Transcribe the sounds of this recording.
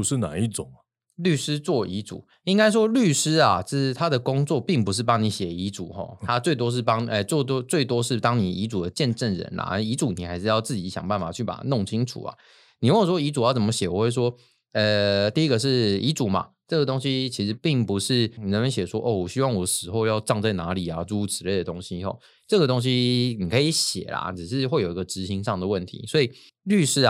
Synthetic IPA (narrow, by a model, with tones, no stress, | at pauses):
u˨ʂɻ̩˥˩na̰˨˩˦i˥˩ʈ͡ʂʊ˨˩ŋ˦ | ly˥˩ʂɻ̩˥t͡swɔ˥˩i˧˥t͡sṵ˨˩˦ | i˥ŋka˥ɪʂ̬wɔ˥ly˥˩ʂɻ̩˥a˨ʈ͡ʂ̩˥˩˨t̪ʰa˥d̪ə˨kʊ˥ŋt͡swɔ˥˨pi˥˩ŋpu˧˥ʂɻ̩˥˩pɑ˥ŋni˧˥ɕjɛ˨˩i˧˥ʈ͡ʂu˨˩xɔ̰˥˧t̪ʰa˦˥t͡swe˥˩ɪt̪wɔ˥ʂ̬̩˥˩pɑ˥ŋ˧ə˧t͡sɔ˥˩t̪̬ɔ˥t͡swe˥˩ɪt̪wɔ˥ʂɻ̩˥˩t̪ɑ˥ŋni˨˩i˧˥t͡su˨˩d̪ə˦t͡ɕjɛ˥˧nʈ͡ʂə˥˩nɻə̰˧˦na̰˨˥˧i˧˥t͡su˨˩˦ni˨˩xa˧˥ɪʂɻ̩˥˧jɑ˥˧ʊt͡sɹ̩˥˩t͡ɕi˨˧˥ɕjɑ̰˨˩ŋpa˥˩nfa̰˨˩t͡ɕʰy˥˩pa̰˨˩˦o˥˩ŋt͡ɕʰi˥ŋʈ͡ʂʰṵ˨˩ɐ̰˨˩ | ni˨˩wʂwɔ˥i˧˥t͡su˨˩jɑ˥˩t͡sə˩mə˦˩ɕjɛ˨˩wɔ˨˩xwe˥˩ɪʂ̬wɔ˦˥ | ə˨˧t̪i˥˧i˦˥ɡə˨ʂ̬ɻ̩˥˩i˧˥t͡su˨˩ma̰˨˩ | ʈ͡ʂɤ˥˩ɡə˩t̪o˥ŋɕi˥t͡ɕʰi˧˥ʂɻ̩˧˥pi˥˩ŋpu˧˥ʂɻ̩˥˩˨ɻə˦˥nmə˧˦nɕjɛ˨˩ʂwɔ˦˥ʔɔ˥˩wɔ˨˩ɕy˥wɑ˥˩ŋwɔ˨˩ʂɻ̩˨˩xo˥˧ʊjɑ˥˧ʊʈ͡ʂɑ˥˧ŋt͡sa˥˩ɪna˧˥li˨˩a˨ʈ͡ʂu˥u˨˩ʈ͡ʂ̩ʰ˧˥le˥˩ɪd̪ə˩t̪o˥ŋɕi˥ɔ̰˧ | ʈ͡ʂɤ˥˩ɡə˩t̪o˥ŋɕ̬i˥ni˨˩kʰə˧˥i˧˥ɕjɛ̰˨˩la̰˨˩ʈ͡ʂɻ̩˨˩ʂɻ̩˥˧xwe˥˩ɪjo˨˩i˧ɡə˧ʈ͡ʂɻ̩˧˥ɕi˧˥ŋʂɑ˥˩ŋd̪ə˩wə˥˩nt̪ʰḭ˧˥˦swɔ˧˥i˨˩ | ly˥˧ʂɻ̩˥˩